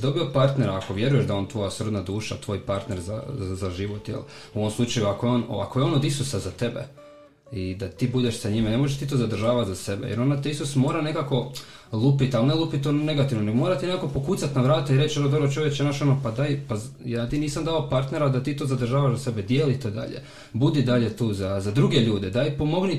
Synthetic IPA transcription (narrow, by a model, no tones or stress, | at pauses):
d̪o̞biopaɾt̪ne̞ɾaːko̞ʋje̞ɾuje̞ʃd̪ajeo̞nt̪ʋo̞jasr̩d̪nad̪uːʃat̪ʋo̞ːjpaɾt̪ne̞ɾza̰zaʒiʋot̪jḛluoʋo̞mslut͡ʃajuakojeono̰a̰kojeo̞nod̪isusazat̪e̞bḛ | id̪at̪iːbud̪eʃsaɲimane̞mo̞ʒeʃt̪it̪ozad̪rʒaːʋat̪zase̞bḛjeɾo̞nat̪eisusmo̞ːɾane̞kako̞ | lˠupit̪alˠnelˠupit̪ːone̞ɡat̪iʋnoneɡomo̞ːɾat̪inekako̞po̞kuːt̪sat̪naʋɾaːt̪aiɾe̞t͡ɕonod̪oɾot͡ʃo̞ʋjekt͡ʃenaʃo̞nopad̪ajpajaːt̪iːniːsamd̪ao̞paɾt̪ne̞ɾad̪at̪iːt̪o̞ːzad̪ɾ̩rʒaːʋaʒzase̞bed̪jeːlit̪od̪a̰ʎḛ | bud̪id̪aʎet̪uːzazad̪ɾuɡe̞ʎuːd̪ed̪ajpomo̞ɡni